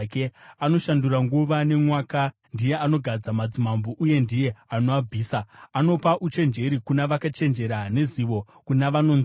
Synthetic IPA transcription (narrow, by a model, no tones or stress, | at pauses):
keano̞ʃanduraŋɡuʋane̞mwaːka | ndije̞ano̞ɡʱad͡zamad͡zimamboʔuje̞ndije̞anoab͡vʱiːsaano̞paʔut͡ʃe̞nd͡ʒe̞ɾikunaʋakat͡ʃe̞nd͡ʒe̞ɾane̞ziʋo̞ | kunaʋano̞n